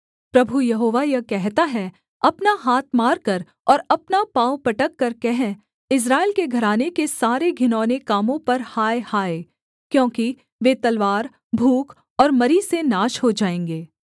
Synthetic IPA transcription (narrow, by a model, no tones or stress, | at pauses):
pɾɐbʱujɐɦoːʋajɐkɛɦt̪aɦɛ | ɐpnaɦaːt̪̚ʰmaːɾkɐɾ | ɔːɾɐpnapaːpɐʈəkːɐɾkɛɦɛ̃ | ɪs̬ɾaːɪlkeɡʱɐɾaːnekesaːɾeɡʱɪnɔːnekaːmõpɐɾhaːehaːe | kjõːki | ʋet̪ɐlʋaːɾ | bʱuːk | ɔːɾmɐɾisenaːʃɦod͡ʒaːẽːŋɡeː